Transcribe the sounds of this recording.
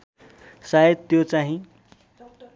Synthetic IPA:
saed̪t̪ːjot͡saɦĩ

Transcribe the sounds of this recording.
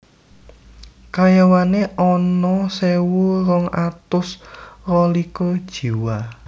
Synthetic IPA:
kajawaneʔɔnɔsewuɾɔŋat̪ʊsrɔlikɔd̥ʒ̥i̤wa

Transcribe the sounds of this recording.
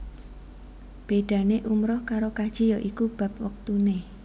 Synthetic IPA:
b̥eɖ̪̥ä̤neʔumɾʊhkaɾokad̥ʒ̥ijɔʔikub̥ä̤p̚wək̚t̪une

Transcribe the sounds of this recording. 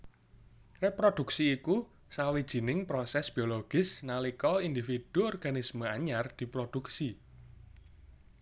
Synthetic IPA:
repɾod̪̥ṳksiːku | sawid̥ʒ̥i̤nɪŋpɾosɛsb̥ioloɡ̥ɪsnalikɔind̪ifid̪̥uɔrɡ̥a̤nisməaɲard̪̥i̤pɾod̪̥ṳksi

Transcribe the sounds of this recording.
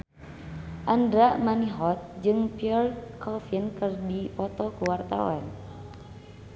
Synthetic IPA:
ʔandɾaʔmaniɦɔt̪̚d͡ʒɨŋpiɔrkʰɔfinkɨrdipɔt̪ɔkuwart̪a̰wa̰n

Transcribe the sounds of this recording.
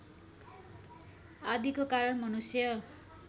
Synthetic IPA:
ad̪ikokaɾʌnmʌnusjʌ

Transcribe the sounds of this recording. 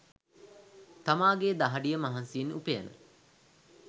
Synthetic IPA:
t̪amaːɡeːd̪aɦɐɖijəmɐɦansiinupejanə̰

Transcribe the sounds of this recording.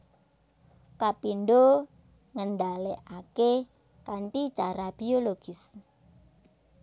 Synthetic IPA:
kapinɖo | ŋəɳɖaleʔake | kant̪it͡ʃaɾab̥ioloɡ̥ɪs

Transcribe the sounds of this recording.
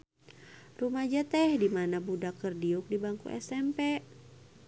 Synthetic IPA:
rumad͡ʒat̪ɛhdimanabudakərdiuk̚dibaŋkṵʔɛ̰sɛmpɛ

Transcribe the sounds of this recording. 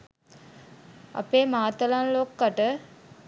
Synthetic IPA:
ɐ̰peːmaːt̪əlanloːkːaʈə

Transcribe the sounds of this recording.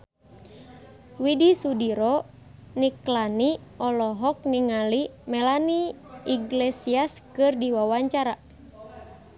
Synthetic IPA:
widisudiɾɔ | niklaniɔlɔɦɔk̚niŋalimɛlaniiɡlɛsiaskɨrdiwawaɲt͡ʃaɾa

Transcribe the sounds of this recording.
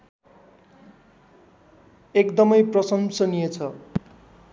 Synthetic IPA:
ekd̪ʌmʌjprʌsʌmsʌnijet͡sʰʌ

